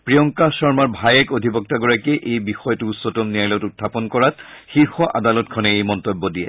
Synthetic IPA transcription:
pɹiɔŋkasɔɹmaɹbʱajɛkodʱibɔk̚taɡɔɹakeʔejbixɔjtuːtsɔtɔmnijajlɛtutʰːapɔnkɔɹatxiɹxɔʔadalɔtkʰɔnɛejmɔntobːɔdijɛ

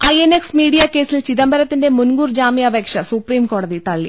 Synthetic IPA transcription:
ɐjeneksmiːɽijɐke̞ːsilt͡ɕiðɐmbʱɐɾɐt̪ːinde̞munɡuːrd͡ʑaːmjɐbʱeːkʂɐsupriːmko̞ːɽɐðit̪ɐɭːḭ

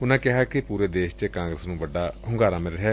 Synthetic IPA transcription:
ʊnãːkɪɦaːkɪpuːɾeːd̪eːʃt͡ʃkãːŋɡɾəsnũːbəɖaːɦʊŋɡaːɾaːmɪlɦɛː

